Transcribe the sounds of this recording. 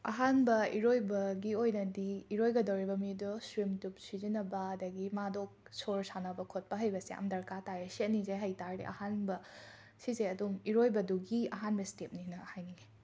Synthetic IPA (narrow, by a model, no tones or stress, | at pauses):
ɐ̰ɦanbɐiɾojbɐɡiojnɐdiːɾojɡɐdɐwɾibɐmidɔsɾimtup̚sizinɐbɐɐdɐɡimadok̚soɾsanɐbɐkʰot̚pɐɦɐjbɐsiɐ̰mdɐɾkatajeset̚nizejɦajtaɾɾḛʔɐ̰hanbɐ | sizeɐdumiɾojbɐduɡiɐɦanbɐstep̚ninɐhajniɡe